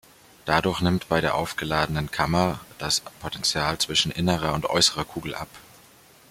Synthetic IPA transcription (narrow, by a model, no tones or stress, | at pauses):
d̥adʊɐçnɪmtb̥aɪɾeːɐʔaʊfɡ̥əlaːdənənkʰamɐd̥aspʰotɛnt͡sjaːlt͡sv̥ɪʃn̩ʔɪnəʁɐʊntʔɔ̰ʏsəʁɐkʰuːɡl̩ʔa̰p